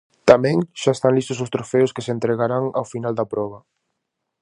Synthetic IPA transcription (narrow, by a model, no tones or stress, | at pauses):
t̪amɛ̃ŋʃaest̪aŋlist̪ʊsʊst̪ɾofeʊskesent̪ɾeɣaɾaŋa̰wfinald̪ɐpɾɔβ̞ɐ